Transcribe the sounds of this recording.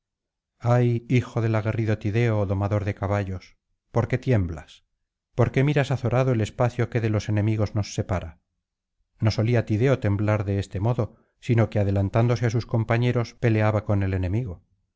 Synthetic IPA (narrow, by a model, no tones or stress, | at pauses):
ajixoðe̞laɣeriðo̞t̪iðe̞oðo̞maðo̞ɾðe̞kaβaʎo̞s | po̞ɾke̞t̪je̞mblas | po̞ɾke̞miɾasaθo̞ɾʔaðoele̞spaθjoke̞ðe̞lo̞se̞nẽ̞miɣ̞o̞zno̞sːe̞paɾa | no̞so̞liat̪iðe̞o̞t̪e̞mblaɾðe̞est̪e̞mo̞ðo̞ | sino̞keaðe̞lant̪and̪o̞seasusko̞mpaɲe̞ɾo̞spe̞le̞aβako̞nele̞nemiɣo̞